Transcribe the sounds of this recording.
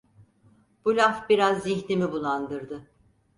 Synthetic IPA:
b̥ulʲafbiɾazːiçlʲimibulˠand̪ɯɾd̪ɯ

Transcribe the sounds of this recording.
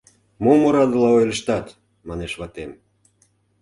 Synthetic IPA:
momoɾɑd̪əlɑojləʃt̪ɑt̪ | mɑneʃβɑt̪em

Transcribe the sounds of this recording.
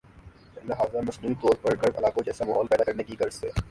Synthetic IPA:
lɐɦaːzamɐsnuːit̪ɔːɾpɐɾɡɐɾɐ̰laːkot͡ʃɛːsamɐːɦɔːlpɛːd̪akɐɾnekiɡɐɾsḛː

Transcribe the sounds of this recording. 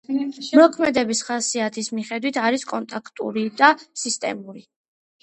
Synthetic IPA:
mɔkʰmɛd̪ɛbisχasiat̪ʰismiχɛd̪wit̪ʰaɾiskʼɔnt̪ʼakʰt̪ʼṵɾid̪asist̪ʼɛ̰muɾi

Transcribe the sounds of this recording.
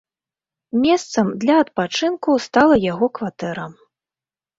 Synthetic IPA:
mʲɛst̪sɐmd̪lʲɐɐt̪̚pat͡ʂɨnkust̪alˠɐjaɣɔkvat̪ɛɾɐ

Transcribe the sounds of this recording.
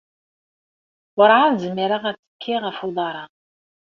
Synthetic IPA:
wəɾˤʕaðzəmːiɾaʁæt͡sːə̥kʰːiʁəfuðˤɑɾˤɑ

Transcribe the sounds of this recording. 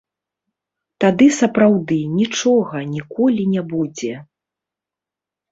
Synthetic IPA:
t̪ad̪ɨsɐpɾawd̪ɨnʲit͡ʂɔɣɐnʲikɔlʲinʲabud͡zʲɛ

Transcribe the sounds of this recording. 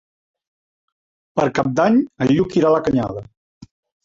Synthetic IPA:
pəɾkap̚d̪aɲəʎːukiɾaləkəɲa̰ðə

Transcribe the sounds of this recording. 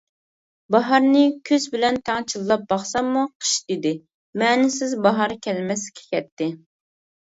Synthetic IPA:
bɑɦɑɾnɪkʲʰøzbɪlɛnt̪ʰæŋt͡ʃʰilˠːɑp̚bɑχsɑmːuqʰə̥ʃd̪ɪd̪ɪ | mɛːnɪsɪzbɑɦɑɾkʲʰɛlmɛskʲʰe̥kʲɛt̪ːɪ

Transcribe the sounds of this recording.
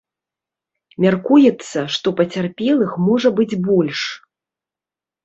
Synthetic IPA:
mʲarkujɛt̪sːɐʂt̪ɔpɐt͡sʲarpʲɛlˠɨxmɔʐɐbɨd͡zʲbɔlʲʂ

